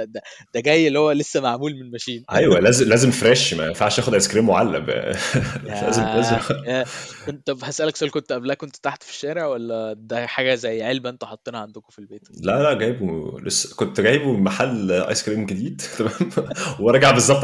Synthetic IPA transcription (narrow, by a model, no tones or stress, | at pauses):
d̪æ | d̪̥æɡæjːelːihowːælesːæmaʕmuːlmenelmæʃiːnʔæjwælæːzemlæːzemfɾæʃmæ̰enfaʕʃʔæːxod̪ʔɑjskɾiːmːoʕalːæ̰b̰ | ælæ̰ːzemæzæont̪ːɑbhæsʔælæksælkont̪ʔæblæʔkʔont̪t̪aħt̪fi̥ʃːæːɾeʕwælːæd̪æħaːɡæzæjːʕelbæʔent̪æħɑt̪ˤːenhɑʕand̪okofilbeːlælæʔɡæːjbulḛsːkont̪ɡæːjebumemaħalːʔɑ̰jskɾiːmɡed̪iːd̪t̪æmæːmweɾˤɑɡaʕbezˤːɑb̚t̪